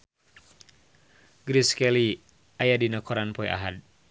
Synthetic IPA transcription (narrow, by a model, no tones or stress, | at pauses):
ɡɾiskɛli | ʔajadinəkɔɾanpɔiʔa̰ɦad̚